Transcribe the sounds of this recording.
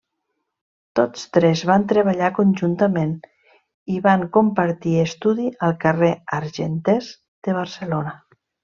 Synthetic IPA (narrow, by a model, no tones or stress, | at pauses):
t̪ot͡st̪ɾɛzβant̪ɾəβ̞aʎakonʲʒunt̪əmen | iβaŋkompaɾt̪iest̪uðiʔəlˠkəreaɾʒent̪ɛz | d̪̥əβ̞ərsəlonə